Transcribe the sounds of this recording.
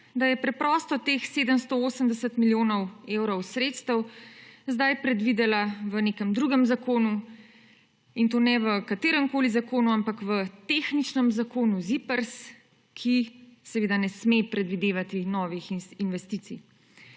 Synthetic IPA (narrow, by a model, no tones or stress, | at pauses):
d̪ajɛpɾɛpɾɔːst̪ɔt̪eːxseːd̪əmst̪ooːsəmd̪ɛsət̪miljoːnɔwewɾɔwsɾet̪st̪əwzd̪ajpɾɛd̪ʋid̪ɛlaʋəneːkəmd̪ɾuːɡəmzakoːnu | int̪oːnɛʋəkat̪eːɾəmkoːlizakoːnuampakʋət̪eːxnit͡ʃnəmzakoːnuzipəɾs | kʰisɛʋeːd̪anɛsmepɾɛd̪ʋid̪eːʋat̪inɔːʋixinʋɛst̪it̪sij